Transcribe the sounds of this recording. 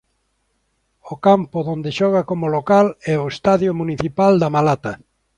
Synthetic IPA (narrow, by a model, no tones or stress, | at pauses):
okampʊðond̪eʃɔɣ̞akomʊlokalɛoest̪aðjomuniθipald̪ɐmalat̪ɐ